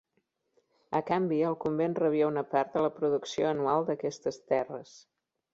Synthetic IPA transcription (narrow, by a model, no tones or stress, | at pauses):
əkambiəlˠkumbenrəβ̞iəunəpaɾt̪d̪ələpɾuðuksioənualˠd̪əkɛst̪əst̪ɛrəs